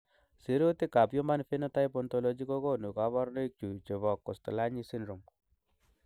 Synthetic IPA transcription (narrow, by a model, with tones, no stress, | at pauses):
si˨˦ɾo˦t̪i˦ka˨pjo˦ma˦nfi˦na˦ta˦jpɔ˨nt̪ɔ˨lɔ˦d͡ʒi˦ko˦ko˦nu˨ka˦βɔ˦ɾne˦k̚t͡ʃu˨t͡ʃe˨βɔ˨kːɔ˨stɔ˨la˦ɲi˦si˦nɾu˨m